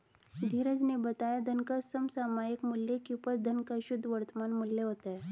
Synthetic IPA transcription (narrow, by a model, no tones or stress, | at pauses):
d̪ʱiɾəd͡znebət̪ajad̪ʱənkəsəmsamajəkmulːekupət͡sd̪ʱənkəɕud̪ʱːʋəɾt̪əmanmulːeɦot̪e